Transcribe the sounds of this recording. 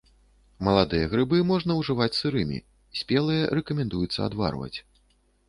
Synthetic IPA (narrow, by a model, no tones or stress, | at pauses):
mɐlˠad̪ɨjɐɣɾɨbɨmɔʐnɐwʐɨvat͡sʲsɨɾɨmʲḭ | sʲpʲɛlˠɨjɐɾɛkɐmʲɛnd̪ujut̪sːɐ̰a̰d̪va̰rvɐ̰t͡sʲ